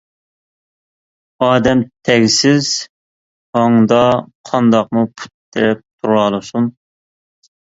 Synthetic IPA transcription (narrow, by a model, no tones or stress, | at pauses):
ɑːd̪ɛmt̪ʰɛɡʲsɪz̥ | hɑŋd̪ɑqʰɑnd̪ɑq̚mupʰu̥t̪ːɾɛp̚t̪ʰuɾɑlˠɨsun